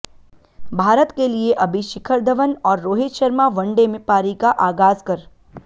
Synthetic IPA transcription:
bʱaːɾət̪kelieʔɐbʱiʃɪkʰəɾd̪ʱəʋənɔːɾːoːɦɪt̪ʃəɾmaʋɐ̃ɳɖemẽpaːɾikaʔaːɡaːzkɐɾ

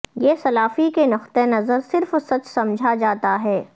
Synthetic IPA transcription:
jeːsɐlaːfikenɐxt̪enɐzəɾsɪɾfsɐt͡ʃsɐ̃md͡ʒʱad͡ʒaːt̪aɦɛː

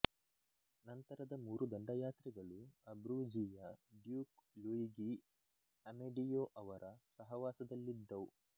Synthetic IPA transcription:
nɐnt̪ɐɾɐd̪ɐmuːɾud̪ɐɳɖɐjaːt̪ɾiɡɐɭuɐbɾuːd͡ʒiːjɐɖjuːkluiɡi | ɐmeɖijoʔɐʋɐɾʔɐsɐɦɐʋaːsɐd̪ɐlːid̪ːɐwu

